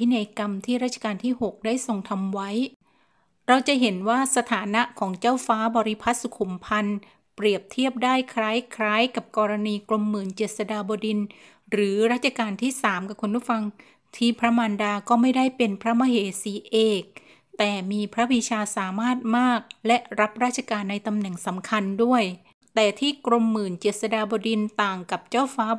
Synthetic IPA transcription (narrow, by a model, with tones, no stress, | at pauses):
pʰi˦˥na˧jka˧mt̪ʰiː˥˩ɾa˥˩t͡ɕʰḁ˧kaː˧nt̪ʰiː˥˩ho˨˩k̚daː˥˩jso˨˩ŋt̪ʰa˧mwa˦˥j | ɾa˧wt͡ɕa˨˩ʔɦe˩˦nwaː˥˩sa˧t̪ʰaː˩˦na˦˥kʰɔː˩˦ŋt͡ɕaː˥˩wfaː˦˥bɔː˧ɾi˦˥pʰa˦˥t̪̚su˨˩kʰu˨˩˦mpʰa˧n | pɾi˨˩əp̚t̪ʰi˥˩əp̚daː˥˩jkʰɾaː˦˥jkʰɾaː˦˥jka˨˩p̚kɔː˧ɾa˧niː˧klo˧mːɯː˨˩˦nt͡ɕeː˨˩t̪̚sa˧daː˧bɔː˧di˧n | ɾɯː˩˦ɾaː˦˥˩t̪̚t͡ɕʰa˧kaː˧nt̪ʰiː˥˩saː˩˦mka˨˩kʰu˧npʰuː˥˩fa˧ŋ | t̪ʰiː˥˩pʰɾa˦˥maː˧ndaː˧kɔː˥˩ma˥˩jdaː˥˩jpe˧npʰɾa˦˥ma˦˥ɦeː˨˩˦siː˨˦ʔeː˨˩k̚ | t̪ɛː˨˩miː˧pʰɾa˦˥bi˧t͡ɕʰaː˧saː˩˦maː˥˩t̪̚maː˥˩k̚lɛ˦˥ʔɾa˦˥p̚ɾaː˥˩t̪̚t͡ɕʰa˧kaː˧nːa˧jt̪a˧mnɛ˨˩ŋsa˩˦mkʰa˧ndu˥˩əj | t̪ɛː˨˩t̪ʰiː˥˩kɾo˧mːɯː˨˩nt͡ɕeː˨˩t̪̚sa˧daː˧bɔː˧di˧nt̪aː˨˩ŋka˨˩p̚t͡ɕaː˥˩wfaː˦˥